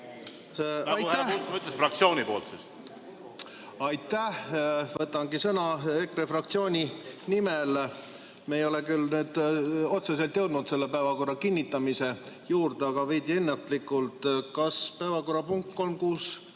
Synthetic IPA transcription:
ɑjt̪ːæt̪myt̪ːlesfrɑk̚t̪sio̞ːnʲipo̞̰ːlt̪sis | ɑjt̪ːˑæhvɤt̪ːˑɑŋɡisɤnɑekrefrɑk̚t̪sio̞ːnʲinimel | meejo̞lekylnyːd̪̥o̞t̪ses̬e̞lt̪jɤwd̪nut̪se̞lːe̞pæevɑko̞rːɑkinʲːit̪ːˑɑmise̞juːrd̪eɑɡ̥ɑved̪ʲie̞nːet̪ˑlikːˑult̪kɑspæevɑko̞rːɑpuŋk̚t̪̚ko̞lmkuːs

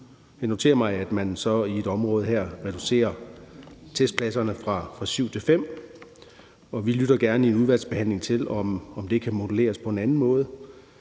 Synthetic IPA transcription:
jɑno̝t͡sʰe̝̰ːɐmɑ̈ɪæd̥mænsɒ̽ie̝d̥ɒ̽mʁɔ̽ːð̞̩ˠɦæɐ̰ʁɛd̥use̝̰ːɐ | t͡sʰesd̥pʰlæsɐnəfʁɑ̈fʁɑ̈syʊ̰t͡sʰe̝lfem̰ | ɒ̽ʋilyɾ̥ɐɡ̥æɐnəie̝nuðˠʋæɐd̥sb̥e̝hæn̰le̝ŋt͡sʰe̝lɒ̽mɒ̽md̥e̝kʰæmo̝d̥əle̝̰ːɐspʰɒ̽e̝nænn̩mɔ̽ːð̞ˠə

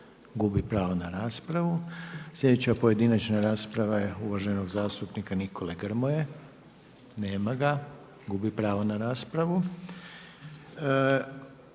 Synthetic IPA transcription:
ɡubipɾaːʋonaɾaːspɾaʋuslʲe̞d̪et͡ɕapo̞je̞d̪inat͡ʃnaɾaːspɾaʋaje̞uʋaʒeno̞ɡzaːst̪upnikaniko̞leɡr̩moje | ne̞ːmaɡa | ɡubipɾaːʋonaɾaːspɾaʋu

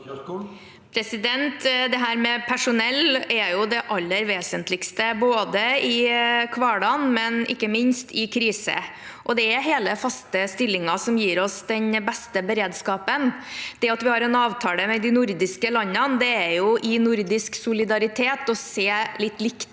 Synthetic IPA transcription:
pʰɾɛsɪd̪ɛnt̪d̪ɛɦæːɾmɛpʰæʂʊnɛlːɛjʊd̪ɛʔɑlːəɾʋeːsənt̪lɪɡst̪əboːd̪əɪkʰʋɑːɖɑnmɛnɪ̰kːəmɪnst̪ʰɪkʰɾiːsə̰ | ʔɔd̪ɛæɾɦeːləfɑst̪əst̪ɪlːɪŋɑsɔmjiːɾɔsd̪ɛnbɛst̪əbəɾeːd̪skɑːpənd̪̥ɛɑt̪ʋɪhɑɾɛnɑːʋt̪ʰɑːləmɛd̪ɪnʊɾd̪ɪskəlɑɲːɑnd̪ɛæɾjʊʔɪnʊɾd̪ɪsksʊlɪd̪ɑɾɪt̪ʰeːt̪ɔseːlɪt̪ːlɪk̪

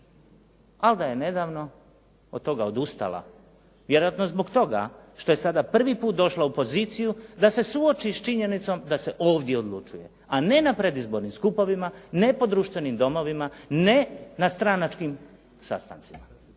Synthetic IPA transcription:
ald̪aje̞ne̞d̪aʋno̞ | od̪̚t̪o̞ɡaod̪ust̪a̰lˠa̰ | ʋjeɾojat̪no̞zbo̞ɡt̪o̞ɡa̰ʃt̪o̞je̞sad̪apr̩ʋipuːt̪̚d̪o̞ʃlaupo̞ziːt̪sijud̪ase̞suot͡ʃist͡ʃiɲe̞nit̪so̞md̪ase̞ʔoːʋd̪je̞o̞d̪lˠṵt͡ʃuje̞ | ane̞napɾe̞d̪izbo̞ɾnimskupo̞ʋimane̞po̞d̪ɾuːʃt̪ʋe̞nimd̪o̞mo̞ʋimane̞nast̪ɾanat͡ʃkim | sa̰st̪a̰nt̪sima

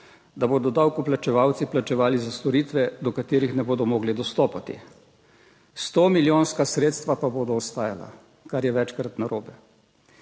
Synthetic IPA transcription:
d̪aboːd̪ɔd̪awkuplat͡ʃɛʋawt̪siplat͡ʃɛʋaːlizast̪ɔɾiːt̪ʋɛd̪ɔkat̪eːɾixnɛboːd̪ɔmɔːɡlid̪ɔst̪oːpat̪ḭ | st̪oːmiljoːnskasɾeːt̪st̪ʋapaboːd̪ɔːst̪aːja̰la̰ | kaɾjɛʋɛt͡ʃkɾat̪naɾʔoːbɛ

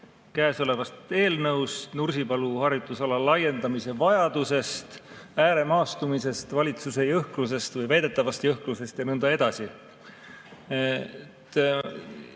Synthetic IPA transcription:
kæːso̞le̞vɑst̪e̞ːlnɤwst̪nursipɑluhɑrjut̪ːˑusɑlɑlːɑje̞nd̪̥ɑmise̞vɑjɑd̪̥use̞st̪æːɾe̞mɑːst̪umise̞st̪vɑlʲit̪suse̞jɤhklus̬e̞st̪vɤjvæjd̪̥e̞t̪ˑːɑvɑst̪jɤhkluse̞st̪jɑnɤnd̪ɑe̞d̪̥ɑsi | ett̪

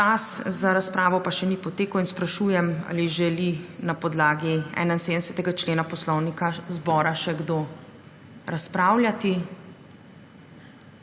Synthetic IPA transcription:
t͡ʃaszaɾaspɾaːʋɔpaʃɛnipɔt̪eːkɐwinspɾaʃuːjɛma̰ːliʒɛlinapɔd̪laːɡiɛ̰ːnainseːd̪əsɛt̪ɛɡat͡ʃleːnapɔslɔwnikazbɔːɾaʃɛɡd̪oː | ɾaspɾaːwlʲjat̪i

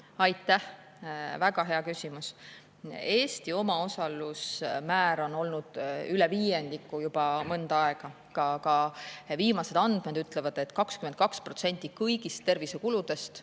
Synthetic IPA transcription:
ɑjt̪ːˑæh | væɡ̥ɑɦe̞ɑkysʲimus | e̞ːsʲt̪io̞mɑo̞sɑlusmæːɾo̞no̞lnud̪̥ylɛviːje̞nd̪̥ikːˑujub̥ɑmɤnd̪ɑɑe̞ɡ̥ɑ | kɑkɑviːmɑse̞d̪ɑnd̪̥med̪̥yt̪ˑle̞vɑd̪̥e̞t̪ːˑkɑkskymet̪̚kɑkspro̞t̪se̞nʲt̪ːˑikɤjɡ̥ist̪ːe̞rvise̞kulud̪̥e̞st̪

